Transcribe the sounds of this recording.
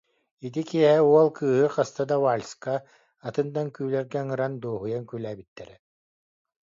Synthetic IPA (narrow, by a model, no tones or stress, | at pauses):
it̪̬ikiɛɦɛuɔlˠkɯːɦɯqast̪ad̪awaːlʲskaː | t̪ɯnd̪aŋkyːlɛɾɡɛŋɯɾand̪oːɦujaŋkylæːbit̪ːɛɾɛ